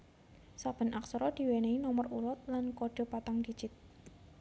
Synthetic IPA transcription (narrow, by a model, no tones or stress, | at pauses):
sab̥ə̤nʔaksɾɔd̪̥i̤weneinɔməruɾɔt̪̚lankoɖ̥ɔ̤pat̪aŋdid̥d͡ʒ̥ɪt̪̚